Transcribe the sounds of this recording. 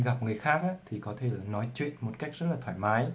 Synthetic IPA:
ɣa˨˩p̚ŋɨ˨˩əjxaː˦˥k̚ʔaː˨˦t̪ʰi˨˩kɔ˨˦t̪ʰe˧˩˨nɔ˨˦jt͡ɕwḭ˧˨ənmo˨˩t̚ka˦˥jk̟̚zə˦˥t̚laː˨˩t̪ʰwaː˧˩jmaː˨˦j

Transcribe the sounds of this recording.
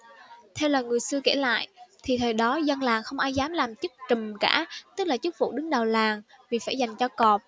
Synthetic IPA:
t̪ʰɛ˧wlaː˨˩ŋɨ˨˩əjsɨ˧əke˧˩la̰ː˧˨jʔt̪ʰi˨˩t̪ʰəː˨˩jɗɔ˨˦zə˧nlaː˨˩ŋxə˧wŋ͡mʔaː˧jzaː˨˦mlaː˨˩mt͡ɕɨ˦˥k̚t͡ɕə˨˩mkaː˧˩t̪ɨ˦˥k̚laː˨˩t͡ɕɨ˦˥k̚fṵ˧˨ɗɨ˨˦ŋɗə˨˩wlaː˨˩ŋ | vi˨˩faː˧˩jza˨˩jŋ̟t͡ɕɔ˧kɔ˨˩p̚

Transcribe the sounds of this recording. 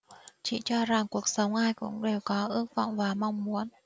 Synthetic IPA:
t͡ɕḭ˧˨t͡ɕɔ˧za˨˩ŋku˨˩ək̚sə˨˦wŋ͡mʔaː˧jkʊ̰˧˥ŋ͡mɗe˨˩wkɔ˨˦ʔɨ˧˥ək̚va̰˧˨wŋ͡mvaː˨˩ma˧wŋ͡mmu˨˦ən

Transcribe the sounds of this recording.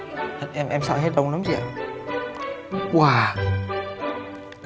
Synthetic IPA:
ʔɛ˧mʔɛ˧msa̰ː˧˨˩ɦe˦˥t̚lə˧wŋ͡mla˨˦ŋ͡mzḭ˧˩ə˨˩ | kwaː˧˩

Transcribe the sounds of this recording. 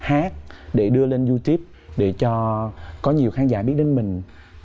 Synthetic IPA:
haː˦˥t̚ɗe˧˩ɗɨ˧əle˧nzu˧t̪i˦˥əp̚ | ɗe˧˩t͡ɕɔ˧kɔ˨˦ɲi˨˩əwxaː˨˦nzaː˧˩ɓi˦˥ət̚ɗe˧nmï˨˩ŋ̟

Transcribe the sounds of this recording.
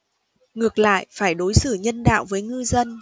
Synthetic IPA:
ŋɨ˨˩ək̚la̰ː˧˨jʔfaː˧˩jɗo˨˦jsɨ˧˩ɲə˧nɗa̰ː˧˨wvəː˨˦jŋɨ˧zə˧n

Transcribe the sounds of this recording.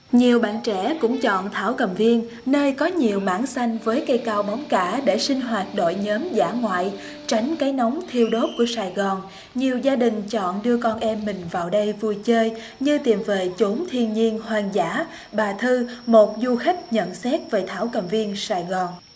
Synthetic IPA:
ɲi˨˩əwɓa̰ː˧˨nt͡ɕɛ̰˧˥kʊ̰˧˥ŋ͡mt͡ɕɔ̰˧˨nt̪ʰaː˧˩wkə˨˩mvi˧ən | nəː˧jkɔ˨˦ɲi˨˩əwmaː˧˩nsa˧jŋ̟vəː˨˦jkə˧jkaː˧wɓɔ˨˦wŋ͡mkaː˧˩ɗe˧˩sï˧ŋ̟ɦwaː˨˩t̚ɗo̰˧˨jɲəː˨˦mzaː˧˩ŋwa̰ː˧˨j | t͡ɕa˨˦jŋ̟kaː˨˦jnɔ˨˦wŋ͡mt̪ʰi˧əwɗo˦˥p̚ku˧˩əsaː˨˩jɣɔ˨˩n | ɲi˨˩əwzaː˧ɗï˨˩ŋ̟t͡ɕɔ̰˧˨nɗɨ˧əkɔ˧nʔɛ˧mːï˨˩ŋ̟vaː˨˩wɗə˧jvu˧jt͡ɕəː˧j | ɲɨ˧t̪i˨˩mve˨˩t͡ɕu˨˦mt̪ʰi˧ənɲi˧ənhwaː˨˩nzaː˧˥ | ɓaː˨˩t̪ʰɨ˧mo˨˩t̚zu˧xa˦˥jk̟̚ɲə̰˧˨nsɛ˦˥t̚veː˨˩t̪ʰaː˧˩wkə˨˩mvi˧ənsaː˨˩jɣɔ˨˩n

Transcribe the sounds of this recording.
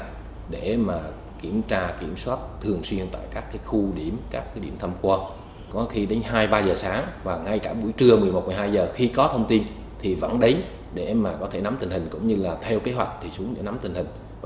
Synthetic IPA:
ɗe˧˩maː˨˩ | ki˧˩əmt͡ɕaː˧ki˧˩əmswaː˦˥t̚t̪ʰɨ˨˩əŋswi˧ənt̪a̰ː˧˨jkaː˦˥kːaː˨˦jxu˧ɗi˧˩əmkaː˦˥kːɗi˧˩əmt̪ʰə˧mkwɔː˧ | kɔ˨˦xi˧ɗe˨˦ŋ̟ɦaː˧jɓaː˧zəː˨˩saː˨˦ŋvaː˨˩ŋa˧jkaː˧˩ɓṵ˧˩əjt͡ɕɨ˧əmɨ˨˩jmo˨˩t̚m˨˩ɦaː˧jzəː˨˩xi˧kɔ˨˦t̪ʰə˧wŋ͡mt̪i˧n | t̪ʰi˨˩və̰˧˥nɗə˨˦j | ɗe˧˩maː˨˩kɔ˨˦t̪ʰe˧˩na˨˦mt̪ï̟˨˩hi˨˩ŋ̟kʊ̰˧˥ŋ͡mɲɨ˧laː˨˩t̪ʰɛ˧wke˨˦ɦwa˨˩jk̟̚t̪ʰi˨˩su˨˦əɗḛ˧˩na˨˦mt̪ï˨˩ŋ̟hï˨˩ŋ̟

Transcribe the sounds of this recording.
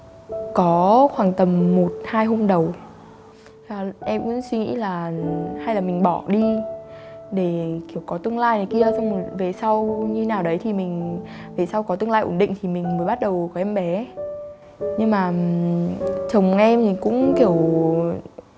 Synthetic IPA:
kɔ˨˦xwaː˨˩ŋt̪ə˨˩mːo˨˩t̚haː˧jɦo˧mɗə˨˩w | aː˨˩ʔɛ˧mkʊ̰˧˥ŋ͡mswi˧ŋḭ˧˥laː˨˩ha˧jlaː˨˩mï˨˩ŋ̟ɓɔ˧˩ɗi˧ | ɗe˧˩ki˧˩əwkɔ˨˦t̪ɨ˧əŋlaː˧jna˨˩jki˧əsə˧wŋ͡mve˨˩sa˧wɲɨ˧naː˨˩wɗə˨˦jt̪ʰi˨˩mï˨˩ŋ̟ | ve˨˩sa˧wkɔ˨˦t̪ɨ˧əŋlaː˧jʔo̰˨˧˩nɗḭ˧˨ŋ̟t̪ʰi˨˩mï˨˩ŋ̟məː˨˦jɓa˦˥t̚ɗə˨˩wkɔ˨˦ʔɛ˧mɓɛ˨˦ | ɲɨ˧ŋmaː˨˩ | t͡ɕə˨˩wŋ͡mʔɛ˧mt̪ʰi˨˩kʊ̰˧˥ŋ͡mki˧˩əw

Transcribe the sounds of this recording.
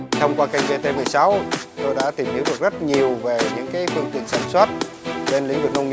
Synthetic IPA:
t̪ʰə˧wŋ͡mkwaː˧ka˧jŋ̟ve˧t̪e˧mɨ˨˩əjsa˨˦wt̪o˧jɗa̰ː˧˥t̪i˨˩mhi˨˦wɗɨ˨˩ək̚zə˦˥t̚ɲi˨˩əwve˨˩ɲɨ̰˧˥ŋkaː˨˦jfɨ˧əŋt̪ḭ˧˨ənsaː˧˩nswaː˦˥t̚ | ɓe˧nlḭ˧˥ŋ̟lwə̰˧˨˩nʔə˧wŋ͡mŋ

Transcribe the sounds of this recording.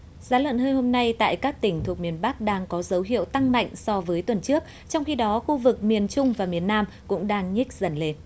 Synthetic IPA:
zaː˨˦lwə̰˧˨nhəː˧jho˧mna˧jt̪a̰ː˧˨jkaː˦˥k̚t̪ï˧˩ŋ̟t̪ʰu˨˩ək̚mi˨˩ənɓa˦˥k̚ɗaː˧ŋkɔ˨˦zə˨˦wɦḭ˧˨əwt̪a˧ŋma̰˧˨jŋ̟sɔ˧vəː˨˦jt̪wə˨˩nt͡ɕɨ˦˥ək̚ | t͡ɕɔ˧wŋ͡mxi˧ɗɔ˨˦xu˧vɨ˨˩k̚mi˨˩ənt͡ɕʊ˧ŋ͡mvaː˨˩mi˨˩ənːaː˧m | kʊ̰˧˥ŋ͡mɗaː˧ŋɲi˦˥k̟̚zə˧˩nle˧n

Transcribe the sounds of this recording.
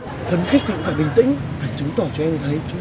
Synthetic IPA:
fə˨˧nxk̚t̪ʰḭ˧˨ŋfaː˧˩ɓï˨˩ŋ̟t̪ï˧˥ŋfaː˧˩jt͡ɕɨ˨˦ŋ͡mt̪ɔ˧˩t͡ɕɔ˧ʔɛ˧mzt̪ʰə˨˦t͡ɕʊ˨˦

